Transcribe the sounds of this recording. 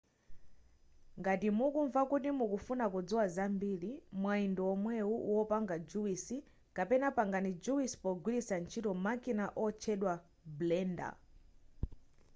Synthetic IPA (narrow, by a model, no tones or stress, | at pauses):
ŋɡatimukuɱvakutimukufunakud͡zuwazambilimwaindɔɔmwɛuʔuwɔpaŋɡad͡ʒuwisi | kapɛnapaŋɡanid͡ʒuwisi̥pɔɡwilisant͡ʃʰitɔmakinaʔɔt͡ʃʰɛɗwa | blɛnda̰